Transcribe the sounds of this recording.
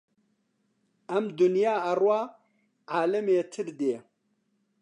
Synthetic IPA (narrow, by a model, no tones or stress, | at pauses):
ɐmd̪ʊnjaːɐrwaː | ʕaːlɐmeːt̪ʰɨɾd̪eː